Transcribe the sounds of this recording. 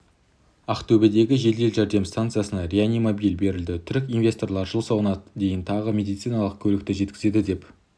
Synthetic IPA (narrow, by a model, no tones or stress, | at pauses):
aqt̪ʰɵbɪd̪e̞ɡʲɪʒe̞ld̪e̞lʒæɾd̪e̞mst̪ant̪sɨjasənɑɾʲeanʲimobijlbe̞ɾɪld̪ɪt̪ʰʏɾɪkʲinvʲest̪o̞rlˠɑɾʒəlˠsɑwənɑd̪e̞jɪnt̪ʰɑʁəmʲe̞d̪ijt̪sɨjnɑlˠəq̚kʲʰɵlɪkt̪ɪʒe̞t̪kʲɪ̥ze̞d̪ɪd̪e̞p